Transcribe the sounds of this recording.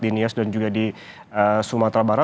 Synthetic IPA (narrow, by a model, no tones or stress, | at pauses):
diniasdand͡ʒuɡadi | əsumat̪ɾabaɾa